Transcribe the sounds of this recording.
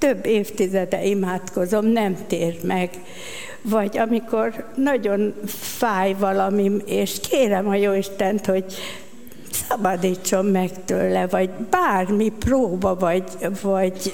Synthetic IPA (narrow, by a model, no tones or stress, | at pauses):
t̪øbːeːft̪izɛd̪ɛ̰imaːt̪ko̞zo̞mnɛmt̪eːrmɛɡ | vɒɟɒmiko̞rnɒɟo̞nfaːjvɒlɒmimeːʃkʰeːɾɛmɒjoːiʃt̪ɛnt̪ho̞ɟ | sɒbɒd̪iːt͡ʃːo̞mːɛkt̪ø̰ːlɛvɒɟbaːrmiproːbɒvɒɟvɒɟ